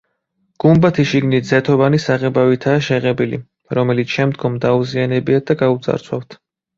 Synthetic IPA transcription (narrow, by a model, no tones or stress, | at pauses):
ɡ̥umbat̪ʰiʃiɡnit̪d̪zɛt̪ʰɔvanisaʁɛbavit̪ʰaːʃɛʁɛbilḭ | ɾɔmɛlit̪sʰʃɛmd̪ɡɔmd̪auzianɛbiad̪aɡaut̪zʼa̰ɾsʰwa̰ft̪ʰ